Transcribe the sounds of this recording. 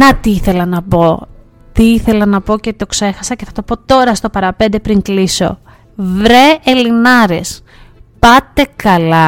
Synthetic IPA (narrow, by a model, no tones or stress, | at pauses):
nɐt̪iiθe̞lɐnɐpo̞ | t̪iiθe̞lɐnɐpo̞ce̞t̪o̞kse̞xɐsɐceθɐt̪o̞po̞t̪o̞ɾɐst̪o̞pɐɾɐpe̞nd̪e̞pɾiŋkliso̰ | vɾeːlinɐɾe̞s | pɐt̪e̞kɐlɐ